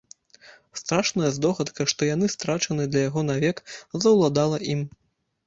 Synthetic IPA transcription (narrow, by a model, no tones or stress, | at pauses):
st̪ɾaʂnɐjɐzd̪ɔxɐt̪kɐʂt̪ɔjan̪ɨst̪ɾat͡ʂɐnɨd̪lʲɐjaɣɔnavʲɛkzɐwlˠad̪alˠɐʔim